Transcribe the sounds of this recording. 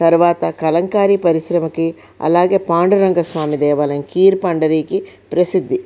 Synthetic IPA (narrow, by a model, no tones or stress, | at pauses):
t̪ɐɾʋaːt̪ɐkɐlɐŋkaːɾipɐɾiʃɾɐmɐke | ɐ̰laːɡeːpaːɳɖuɾɐŋɡɐsʋaːmid̪ɛːʋaːlɐŋkiːɾpɐɳɖɐɾiːki | pɾɐsid̪ʱːi